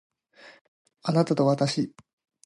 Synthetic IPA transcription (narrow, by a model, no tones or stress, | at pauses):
anat̪at̪o̞βat̪aɕi